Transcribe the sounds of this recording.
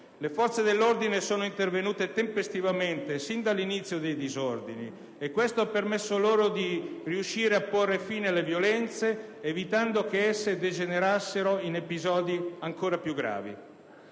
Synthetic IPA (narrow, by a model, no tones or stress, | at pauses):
lefɔrt̪sed̪elːord̪inesoːnoint̪ervenuːt̪et̪empest̪ivament̪esind̪alːinit̪sːjod̪ejd̪izord̪ini | ekːwest̪oapːermesːoloːɾod̪iriuʃːiːɾeapːorːefiːnelevjolɛnt̪seːvit̪and̪okeɛsːed̪ed͡ʒeneɾasːeɾoinepizɔːd̪iaŋkoːɾapjuɡːɾa̰ːvḭ